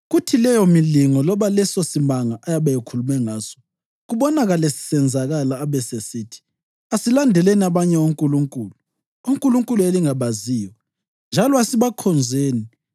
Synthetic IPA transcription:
ɣutʰilɛjɔmiliŋɔlɔβalɛsosimaŋaʔajaβajekʰulumɛŋaːsɔ̥ | ɣuβɔnaɣalesi̥sɛnd͡zʱaɣalaːβɛsesiːtʰi̥ | asilandʱɛleniaβaɲɛwoŋkʼuluŋkʼuːlu | oŋkʼuluŋkʼulueliŋaβaziːjɔ | nd͡ʒʱalɔasiβakʰɔnd͡zʱeːni

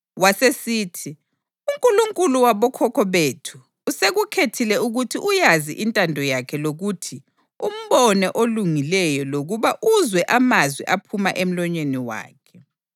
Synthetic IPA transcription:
wasesiːtʰi | uŋkʼuluŋkʼuluwaβɔkʰɔkʰɔβeːtʰuː | seɣukʰetʰilɛuɣutʰiʔujazḭʔintʼandʱɔjakʰɛloɣutʰi | um̩βɔnɛʔoluŋilɛjɔloɣuβaʔuzwɛʔamazwiʔapʰumaʔem̩lɔɲweniwa̰ːkʰɛ

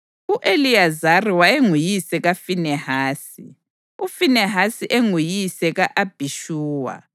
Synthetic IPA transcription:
uʔeliazariwaeŋujisɛɣafinɛhaːsi | ufinɛɦasiʔeŋujisɛɣaʔab̥ʱiʃuːwa̰

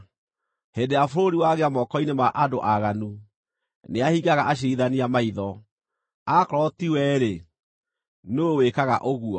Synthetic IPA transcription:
hedeafoɾoɾiwaɣeamɔkɔinemaʔadoʔaɣanu | neahiɡaɣaʔaɕ̬eiðaniamaiðɔ | akɾɔtiwɛɾe | nowekaɣaʔoɣuɔ

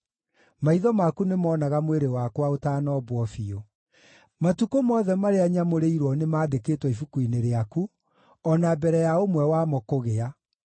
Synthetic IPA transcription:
maiðɔmakunemɔːnaɣamweɾewakwaotaːnɔbwɔfio | matukomɔːðɛmaɾeaɲamoɾeiɾwɔnemaːdekeːtwɔifukuineɾeaku | ɔnabɛɾɛjaomwɛwamɔkoɣea

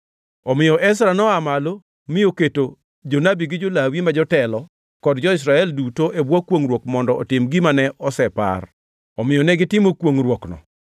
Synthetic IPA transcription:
ɔmɪjɔʔɛsɾanɔamalo | mɪjoketo | d͡ʒonabiɡɪd͡ʒolawimad͡ʒɔtɛlɔ | kɔdd͡ʒɔɪs̬ɾaɛldutoʔebwɔkwoŋɾwokmɔndɔʔɔtɪmɡɪmanɛʔɔsɛpa̰r | ɔmɪjɔnɛɡɪtɪmokwoŋrwoknɔ̰

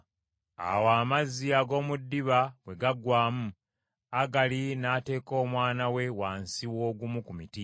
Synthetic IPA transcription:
a̰waːmazːiaɡo̞ːmudːiβawe̞ɡaɡwaːmu | aɡalinaːte̞ːko̞ːmwaːnawe̞waːnsiwo̞ːɡumukumiti

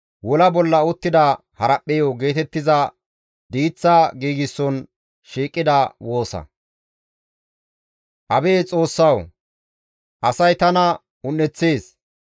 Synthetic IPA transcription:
wɔlɐbɔlːɐʊt̪ːɪd̪ɐ | hɐɾɐpʼːɛjoɡe̞ːt̪ɛt̪ːɪzɐ | d̪iːt͡sːaɡiːɡɪsːɔn | ʃiːkʼːɪd̪ɐwo̞ːsɐ̰ | ʔɐbeːt͡sʼo̞ːsːɐw | ʔɐsɐjt̪ɐnɐ | ʊnːɛt͡sːeːs

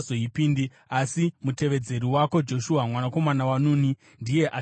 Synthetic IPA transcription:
zoipindi | asimute̞ʋe̞d͡ze̞ɾiwako̞d͡ʒo̞ʃuɦamwanako̞manawanuni | ndije̞ʔa

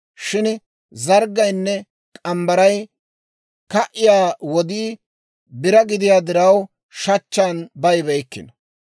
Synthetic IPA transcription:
ʃɪn | zɐɾɡːɐjnːɛ | kʼɐmbɐɾɐj | kɐʔɪjaːwɔd̪iː | bɪɾɐɡɪd̪ɪjaːd̪ɪɾɐw | ʃɐt͡ʃːaːnbɐjbɛjkːɪ̰nɐ

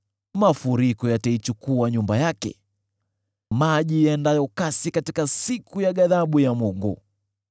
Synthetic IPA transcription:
mafuɾikɔjatait͡ʃukuaɲumbajakɛ̰ | maʄijandajɔkasikatikasikujaɠaðaɓujamuŋɡṵ

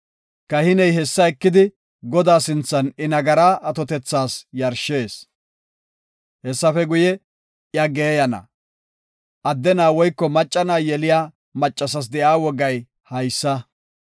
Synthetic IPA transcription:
kɐhɪnɛjɦɛsːɐɛkːɪd̪ɪ | ɡɔd̪aːsɪnt͡sːɐnɪnɐɡɐɾaːʔɐt̪ɔt̪ɛt͡sːaːsjɐɾʃːeːs | hɛsːɐfɛɡʊjɛ | jɐɡeːjɐnɐ̰ | ʔɐd̪ːɛnaːwɔjkːɔmɐt͡ʃʼːɐnaːjɛlɪjaː | mɐt͡ʃʼːɐs̬ɐs̬d̪ɛʔaːwɔɡːɐj | hɐjsːɐ

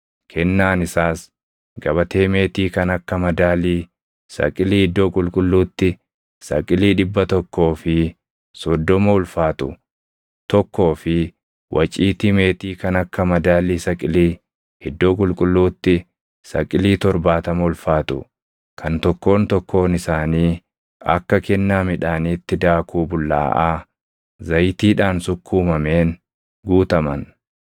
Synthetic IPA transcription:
kʰɛnːaːnɪsaːs | ɡɐβɐt̪eːme̞ːt̪iːkɐnɐkːɐmɐd̪aːliː | sɐ̰kʼɪliːhɪd̪ːo̞ːkʼʊlkʼʊlːuːt̪ːɪ | sɐ̰kʼɪliːᶑɪbːɐt̪ɔkːo̞ːfɪ | sɔd̪ːɔmɐʊlfaːt̪ʊ | t̪ɔkːo̞ːfɪ | wʔɐt͡ʃʼiːt̪ime̞ːt̪iːkɐnɐkːɐmɐd̪aːliːsɐkʼɪliː | hɛd̪ːoːkʼʊlkʼʊlːuːt̪ːɪ | sɐkʼɪliːt̪ɔɾbaːt̪ɐmɐʊlfaːt̪ʊ̰ | kʰɐnt̪ɔkːo̞ːnt̪ɔkːo̞ːnɪsaːniː | ɐ̰kːɐkɛnːaːmɪᶑaːniːt̪ːɪd̪aːkʰuːbʊlːa̰ːʔaː | zɐjt̪iːᶑaːnsʊkʰːuːmɐmeːn | ɡuːt̪ɐmɐn

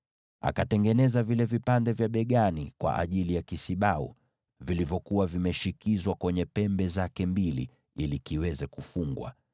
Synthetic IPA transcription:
a̰katɛŋɡɛnɛzavilɛvipandɛvjaɓɛɠanikwa̰ʔa̰ʄilijakisiɓaṵ | vilivjɔkuwavimɛʃikizwakwɛɲɛpɛmbɛzakɛmbilḭ | ilikiwɛzɛkufuŋɡwa̰

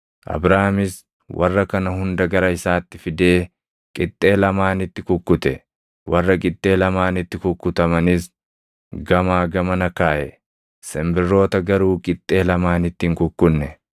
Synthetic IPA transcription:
ʔɐ̰bɾaːmɪs | wʔɐ̰rːɐkɐnɐhʊnd̪ɐɡɐɾɐɪsaːt̪ːɪfɪd̪e̞ː | kʼɪt̪ʼːe̞ːlɐmaːnɪt̪ːɪkʊkːʊt̪ɛ | wʔɐrːɐkʼɪt̪ʼːe̞ːlɐmaːnɪt̪ːɪkʊkːʊt̪ɐmɐnɪs | ɡɐmaːɡɐmɐnɐkaːʔɛ | sɛmbɪrːo̞ːt̪ɐɡɐɾuːkʼɪt̪ʼːe̞ːlɐmaːnɪt̪ːiːŋkʊkːʊnːɛ

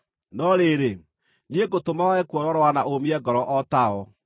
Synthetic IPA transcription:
nɔɾeɾe | nieɡotomaɛkwɔɾɔɾɔwanaʔomiɛɡɔɾɔʔɔtaɔ

